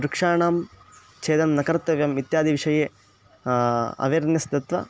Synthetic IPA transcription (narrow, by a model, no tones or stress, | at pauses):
ɾukʂaːɳaːm | t͡ʃeːd̪ɐmnɐkɐɾt̪ːɐʋjɐmit̪jaːd̪iʋiʂɐjeː | ɐ̰ʋeːɾnjɐsd̪ɐt̪ʋɐ̰